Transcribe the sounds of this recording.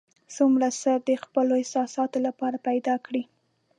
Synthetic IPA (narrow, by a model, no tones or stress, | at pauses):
sumɾasəd̪əxpəloɪsɑsɑt̪olapɑɾapajd̪ɑkɽi